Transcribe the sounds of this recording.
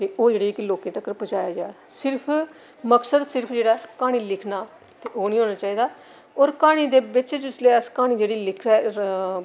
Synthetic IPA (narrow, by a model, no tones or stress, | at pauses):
k̪eoːd͡ʒeːɽiːɪkloːkẽːt̪əkːəɾpət͡ʃaːjaːd͡ʒaːɛsɪɾpʰ | məksəd̪sɪɾpʰd͡ʒeːɽaːkaːɽ̃iːlɪkʰnaː | t̪eːoːniːɦoːnaːt͡ʃaːiːd̪aː | oːɾkaːɽ̃iːd̪eːbɪt͡ʃd͡ʒɪsleːəskaːɽ̃iːd͡ʒeːɽiːlɪkʰɾa